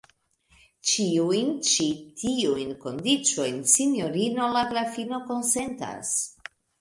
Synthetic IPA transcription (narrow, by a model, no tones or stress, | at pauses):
t͡ʃiujnt͡ʃitʰiujnko̞ndit͡ʃo̞jnsinjo̞ɾino̞laɡɾafino̞ko̞nse̞nta̰s